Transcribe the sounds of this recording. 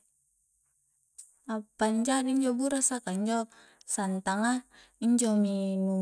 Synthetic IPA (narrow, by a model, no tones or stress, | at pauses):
apaɲd͡ʒadiiɲd͡ʒɔbuɾasakaiɲd͡ʒɔ | sant̪aŋa | iɲd͡ʒɔminu